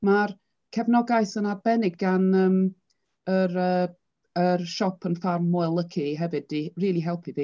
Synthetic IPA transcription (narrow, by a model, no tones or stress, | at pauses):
mar | kʰɛvnɔɡajsənadbɛnɪɡ̚ɡanəːm | əɾəː | ərʃɔpʰənfarmːɔɛlˠəkʰiɦɛvɨdiriːlˠiɦɛlˠpʰiviː